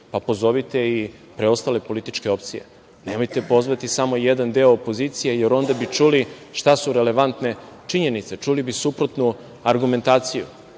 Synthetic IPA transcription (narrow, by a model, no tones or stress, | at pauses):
papo̞zo̞ʋit̪e̞i | pɾeo̞st̪ale̞po̞lit̪it͡ʃke̞o̞p̚t̪sije̞̰ | ne̞mo̞jt̪e̞po̞zʋat̪isamo̞jed̪and̪eoːpo̞zit̪sijejeɾo̞nd̪abit͡ʃuliʃt̪asuɾe̞le̞ʋant̪ne̞ | t͡ʃiɲe̞nit̪se̞t͡ʃulibisupɾot̪nu | aɾɡume̞nt̪aːt̪sijṵ